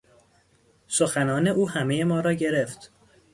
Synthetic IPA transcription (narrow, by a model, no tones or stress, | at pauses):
so̞xænɒːne̞ʔuːɦæmeje̞mɒːɾɒːɟe̞ɾe̞ft̪